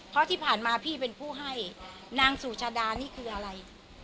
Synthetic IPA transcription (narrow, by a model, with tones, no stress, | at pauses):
pʰɾɔ˦˥t̪ʰiː˥˩pʰaː˨˩nmaː˧pʰiː˥˩pe˧npʰuː˥˩ɦa˥˩j | naː˧ŋsuː˨˩t͡ɕʰaː˧daː˧niː˥˩kʰɯː˧ʔa˧ɾa˧j